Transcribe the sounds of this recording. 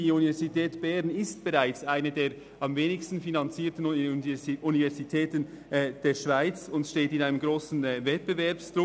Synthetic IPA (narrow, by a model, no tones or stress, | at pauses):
iunivɛɐzitʰɛːtb̥ɛʁnɪst̚b̥eʁaɪt͡saɪnədeːɐ | ɑmveːnɪçstn̩finɑnt͡siːtən | ʔunivɛɐzitʰɛːtən | ɛːd̥eːʃv̥aɪt͡sʊntʃteːtɪnaɪnəmɡʁoːsn̩ːvɛt̚b̥əvɛɐpstɾʊ